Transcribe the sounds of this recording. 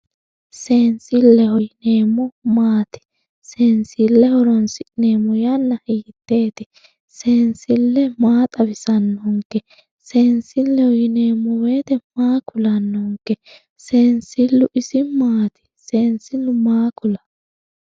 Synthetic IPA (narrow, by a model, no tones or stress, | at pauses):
seːnsɪlːɛhɔjɪneːmːɔmaːt̪ɪ̥ | seːnsɪlːɛhɔɾɔnsɪɪneːmːɔjɐnːɐiːt̪ːe̞ːt̪ɪ | seːnsɪlːɛmaːt̪ʼɐbɪsɐnːɔŋkːɛ | seːnsɪlːɛhɔjɪneːmːɔwe̞ːt̪ɛmaːkʰʊlɐnːɔŋkːɛ | seːnsɪlːʊʔɪsɪmaːt̪ɪ̥seːnsɪnʊmaːkʊlɐ